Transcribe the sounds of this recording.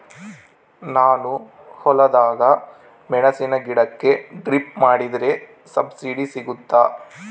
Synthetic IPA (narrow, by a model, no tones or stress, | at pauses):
naːnu | hɔlɐd̪aːɡɐ | mɛɳɐsinɐɡiɽɐkːe̞ɖɾipmaːɽid̪ɾe̞ | sɐbsiɖisiɡut̪ːaː